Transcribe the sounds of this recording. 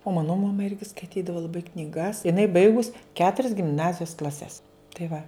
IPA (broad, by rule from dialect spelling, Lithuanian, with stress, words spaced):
oː ˈmɑːnoː mɐˈmɐ ˈɪrʲɡʲɪ skɐɪˈtʲiːdɐʋɐ lˠɐˈbɐɪ knʲɪˈɡɐs ɪˈnɐɪ ˈbɐɪɡʊs ˈkʲæːtʊrʲɛs ɡʲɪmˈnɑːzʲɪjoːs klˠɐˈsʲɛs tɐɪ ˈʋɐ